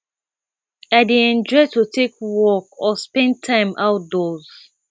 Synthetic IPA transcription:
aɪdeɛ̃nd͡ʒɔɪtutʰekwɔkɔspɛ̃n̚tʰãɪ̃mawt̚dɔz̥

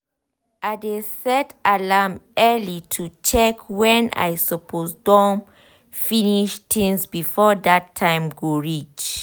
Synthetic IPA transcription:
ʔadesɛtalamɛlitʰut͡ʃɛkwɛ̃na̰jsɔpʰosdɔ̃n | finiʃtʰĩnsbifɔdatʰːãɪ̃mɡoɹit͡ʃ

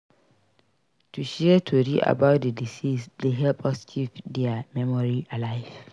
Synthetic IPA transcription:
tʰuʃɛɛtʰoɹiʔa̰baʊt̚dedisisdeɦɛlpʰɔst͡ʃʰivdɛamɛmɔɹialaɪv

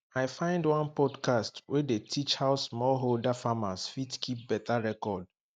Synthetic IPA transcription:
aɪfãɪ̃ndwãnpɔdkʰastwɛdetʰit͡ʃhaʊsmɔlɦoldafamasfitkʰip̚bɛtʰaɹɛkɔd̚

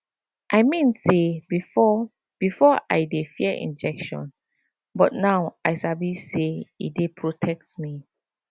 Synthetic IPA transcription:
ʔajmĩnsebiɔ | b̥ifɔʔa̰jdefiəʔḭ̃nd͡ʒɛkʃɔ̰̃n | bɔt̚nawajsabiseḭdepʰɹotʰɛk̚tmi

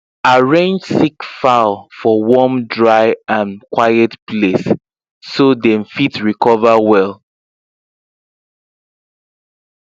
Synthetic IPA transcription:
aɹẽnd͡ʒsikfalfɔwɔmdɹaɪãnkwajɛtplesː | odɛ̃mfitɹikɔvawɛlˠ

